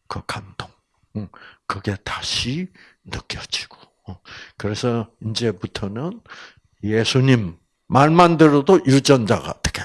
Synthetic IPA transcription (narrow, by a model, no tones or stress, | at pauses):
kɯkandʰoŋ | kɯɡe̞tḁɕʰi | nɯk͈jʌd͡ʑi̥ɡ̥o̥ | ʌkɯɾe̞sʰʌind͡ʑe̞putʰʌnɯn | je̞sʰuɲimː | aɭmandɯɾʌdojud͡ʑʌnd͡ʑa̰ɡa̰tʰɯ̥kʰe